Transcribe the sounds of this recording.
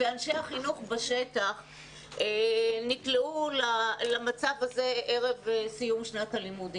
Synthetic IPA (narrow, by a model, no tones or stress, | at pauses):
veanʃehaχinuχbaʃetaχ | enikleulalamat͡savaze̞ʔeʁe̞vsijumʃnatalimudi